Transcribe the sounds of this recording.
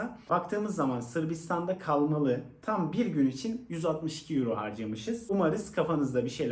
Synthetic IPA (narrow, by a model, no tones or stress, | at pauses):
abakt̪ʰɯːmɯzːamansɯɾbist̪ʰand̪akʰalˠmalˠɯt̪ʰambiɾɟynit͡ʃʰinjyzalˠt̪mɯʃi̥cʰijuɾoɦa̰ɾd͡ʒamɯʃɯz̥umaɾɯz̥kʰafanɯzd̪abiʃe̞jlʲ